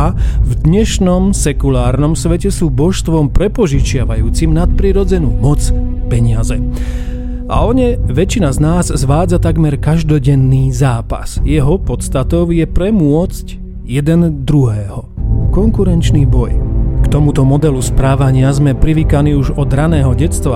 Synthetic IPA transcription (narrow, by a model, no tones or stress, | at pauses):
vd̪ɲɛʃnɔmsɛkulaːɾnɔmsʋɛcɛsuːbɔʃst̪ʋɔmpɾɛpɔʒit͡ʃɪaʋajuːt͡simnat̪̚pɾiːɾɔd͡zɛnuːmɔt͡s | pɛɲɪazɛ | ʔa̰ɔɲɛʋɛt͡ʃinaznaːzzʋaːd͡zat̪aɡmɛɾkaʒd̪ɔɟɛnːiːzaːpa̰sjɛɦɔpɔt̪st̪at̪ɔʊjɛpɾɛmʊɔt͡sc | jɛd̪ɛnd̪ɾuɦɛːɦɔkɔŋkuɾɛnt͡ʃniːbɔjkt̪ɔmut̪ɔmɔd̪ɛluspɾaːʋaɲɪazmɛpɾiʋiːkaniuʒɔd̪ɾanɛːɦɔɟɛt͡st̪ʋa